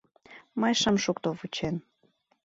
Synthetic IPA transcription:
məjʃəmʃukt̪ovut͡ɕen

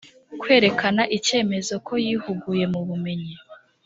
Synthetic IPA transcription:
kwe̞ːɾe̞kanaʔice̞ːme̞zo̞ko̞jiːhuɡuje̞muβume̞ɲi

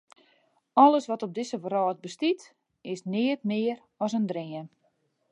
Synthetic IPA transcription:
ɔləsʋɔtɔb̚dɪsəʋəɾɔːt̚bəstit | ɪsnɪːətmɪəɾ | ɔsəndrɪən

